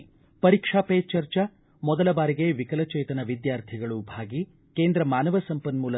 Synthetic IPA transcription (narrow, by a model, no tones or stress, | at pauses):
pɐɾikʂaːpeːt͡ʃɐɾt͡ʃɐ | mɔd̪ɐlɐbaːɾiɡeʋikɐlɐt͡ʃɛːt̪ɐnɐʋid̪jaːɾt̪ʰiɡɐɭubʱaːɡi | keːnd̪ɾɐmaːnɐʋɐsɐmpɐnmuːlɐ